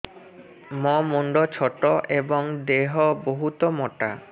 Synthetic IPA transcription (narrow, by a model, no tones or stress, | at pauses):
mɔmuɳɖɔt͡ʃʰɔʈɔʔebɔŋd̪eɦɔboɦut̪ɔmɔʈa